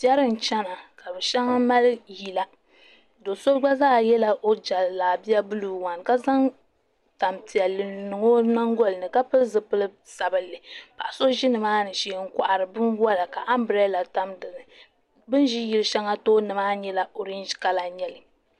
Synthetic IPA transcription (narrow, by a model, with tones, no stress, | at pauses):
pi˦ɛ˦ɾɨ˦n̩˨t͡ʃɛ˦na˨ka˨bɛ˨ʃɛ˦ŋa˦ma˦lji˨la˨ | do˨so˦ɡ͡ba˦zaː˦˨jɛ˦la˦ʔo˦d͡ʒa˨laː˨bi˦a˦bɨ˦lu˨wa˨n˨ka˦za˦ŋ | ta˨mti˨a˨lɨ˨nɨ˨ŋo˦na˦ŋɡɔ˦lɨ˨nɨ˨ka˦pɨ˦lzɨ˦˨pɨ˦lɨ˦ | sa˨bɨ˦lːɨ˨pa˨ʔso˦ʒi˦nɨ˨maː˦nɨ˨ʃiː˨ŋ̩˦kʷa˨ʔa˨ɾɨ˨bɨ˦nwa˦la˨ka˨ʔa˦mbɾɛ˦la˨ta˨mdɨ˨nɨ˨ | bɨ˦n˦i˦ji˨lɨ˦ʃɛ˦ŋa˦toː˦nɨ˨maː˦ɲɛ˦la˨o˨ɾi˦n˦ʒka˦la˨ɲɛ˦lɨ˨